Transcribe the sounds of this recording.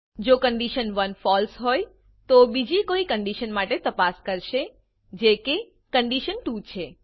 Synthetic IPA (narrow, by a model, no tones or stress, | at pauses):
d͡ʒokəɳɖiʃənʋənfɔlsɦoj | t̪obid͡ʒikoikəɳɖiʃənmaʈet̪əpaskəɾʃe | d͡ʒeke | kəɳɖiʃənʈut͡ʃʰe